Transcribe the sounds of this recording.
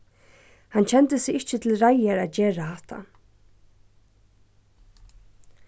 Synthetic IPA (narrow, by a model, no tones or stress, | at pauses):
hant͡ɕʰɛnt̪əsɪɣɪht͡ʃət̪ʰɪlɾajaɾaðd͡ʑeːɹahat̪ʰa̰